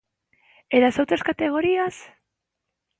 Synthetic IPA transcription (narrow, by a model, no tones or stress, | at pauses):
eðasawt͡s̪askat̪e̞ɣ̞o̞ɾias